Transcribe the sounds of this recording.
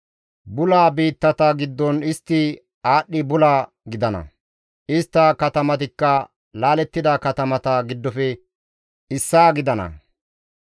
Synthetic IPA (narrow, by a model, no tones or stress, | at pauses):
bʊlaːbiːt̪ːɐt̪ɐɡɪd̪ːɔnɪst̪ːɪ | aːɗːɪbʊlaː | ɡɪd̪ɐnɐ̰ | ʔɪst̪ːɐkɐt̪ɐmɐt̪ɪkːɐ | laːlɛt̪ːɪd̪ɐkɐt̪ɐmɐt̪ɐɡɪd̪ːɔfɛ | ɪsːaːɡɪd̪ɐnɐ̰